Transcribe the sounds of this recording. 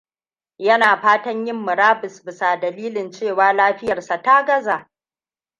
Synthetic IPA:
jɐ˦naː˨ɸaː˦tɐ˦ɲjɪ˦mːʊ˨ɾaː˦bɪ˨sbɪ˨sa˨dɐ˨liː˦lɪ˨nt͡ʃeː˦˨waː˦laː˦ɸɪ˦jɐ˨rsa˨ta˦ɡɐ˦zaː˨ʔ

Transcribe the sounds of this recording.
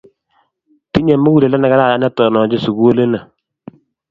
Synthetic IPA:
ti˦ɲɛ˨mːu˦wu˦le˨lɛ˦na˨ka˦ɾa˦˨a˦nɛ˦tɔ˨nɔ˨d͡ʒe˦su˨ɡu˦o˦le˦na˨

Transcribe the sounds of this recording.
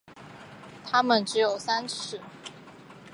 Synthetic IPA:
t̪ʰa˥mə˨nʈ͡ʂɻ̩˧˥jo˨˩ʊsa˥nʂɻ̩˥˩

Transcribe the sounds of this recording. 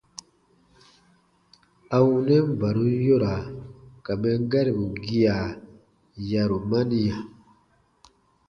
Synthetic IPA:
a˨wu˨nɛ˦m˦˨ba˨ɾu˦jo˦ɾa˨ka˨mɛ˦ŋ˦ɡa˦ɾi˨bu˨ɡi˦ja˨ | ja˨ɾu˨ma˦ni˦ja˨

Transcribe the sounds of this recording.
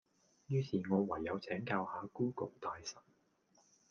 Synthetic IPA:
jyː˧sʰiː˨˩ŋɔː˨˧wɐ˨˩jːɐ˨˧wt͡sʰɛː˨˥ŋkaː˧whaː˨˧kuː˥kʊ˨wt̪aː˧jsɐ˨˩n̚

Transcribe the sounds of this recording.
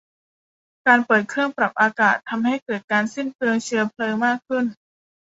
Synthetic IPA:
kaː˧npɤː˨˩t̪̚kʰɾɯ˥˩əŋpɾa˨˩p̚ʔaː˧kaː˨˩t̪ʰːa˧mha˥˩jkɤː˨˩t̪̚kaː˧nsi˥˩npʰlɤː˧əŋt͡ɕʰɯ˧ɐpʰlɤː˧maː˥˩kʰːɯ˥˩n

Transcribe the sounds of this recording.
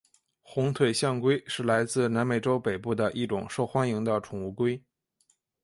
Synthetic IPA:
xʊ˧˥ŋt̪ʰwe˨˩ɪɕjɑ˥˩ŋkwe˥ɪʂɻ̩˥˩la˧˥ɪt͡sɹ̩˥˧na˧˥nme˨˩ɪʈ͡ʂo˥ʊpe˨˩ɪpu˥˩d̪ə˩ʔi˥˩ʈ͡ʂʊ̰˨˩ŋʂo˥˩ʊxwa˥ni˧˥ŋd̪ə˧ʈ͡ʂʰʊ˨˩ŋu˥˧kwe˥ɪ

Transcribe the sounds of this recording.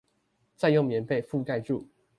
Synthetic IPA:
t͡sa˥˧ɪjo˥˨˩ŋmjɛ˨˧˦nfe˥˨ɪfu˥˨˧ka˥˧ɪʈ͡ʂu˥˨

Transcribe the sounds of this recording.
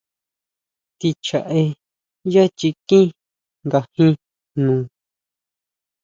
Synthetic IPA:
t̪i˧t͡ʃa˨ʔe˧ | ja˦t͡ʃi˧kĩ˦ | ŋɡa˨hĩ˦ | nũː˨˧˨

